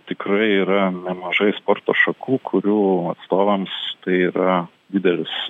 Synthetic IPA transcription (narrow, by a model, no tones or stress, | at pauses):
t̪ʲɪkɾɐɪiːɾɐnʲɛmɐʒɐɪspoːrt̪oːʃɐkʰuːkʰʊɾʲuːɐt̪st̪oːʋɐmst̪ɐɪiːɾɐ | d̪ʲɪd̪ʲɛlʲɪs